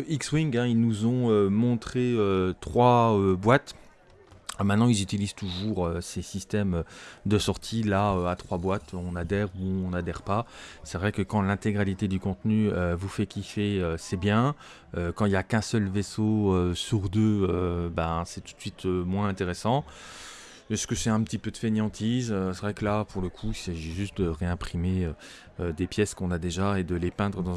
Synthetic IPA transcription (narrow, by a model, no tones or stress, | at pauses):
ikswiŋɡɛ̃ilnuzɔ̃ømɔ̃t̪χeøt̪χwaøbwat̪ | mɛ̃t̪nɑ̃ilzyt̪ilizt̪uʒuʁøsesist̪ɛmød̪əsɔʁt̪ʰilaøat̪χwabwat̪ɔ̃nad̪ɛʁuɔ̃nad̪ɛʁpasɛvʁɛkəkɑ̃lɛ̃t̪eɡʁalit̪ed̪ykɔ̃t̪nyøvufɛkʲifeøsɛbjɛ̃ | økɑ̃iljakɛ̃sœlvesoøsyʁd̪øøbãsɛt̪u̥t̪sɥit̪ʰømwɛ̃ɛ̃t̪eʁesɑ̃ | ɛskəsɛɛ̃pət̪ipød̪əfeneɑ̃t̪ʰizøsevʁɛkəlapuʁləkʰuisaʒiʒyst̪̚d̪əʁeɛ̃pχimeø | ød̪epjɛskɔ̃nad̪eʒaed̪əlepɛ̃d̪ʁəd̪ɑ̃